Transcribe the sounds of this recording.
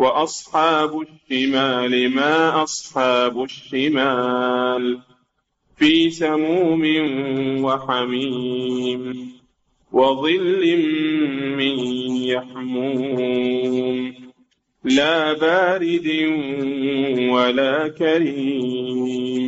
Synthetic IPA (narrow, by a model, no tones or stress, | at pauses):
wɑʔɑsˤħɑːbʊʃːɪmaːlɪmaːʔɑsˤħɑːbʊʃːɪmaːl | fiːsamuːmɪnwaħamiːm | wɑðˤɨlːɪmː | ɪnjaħmuː | m | laːbaːɾɪd̪ɪ | walaːkaɾiː | m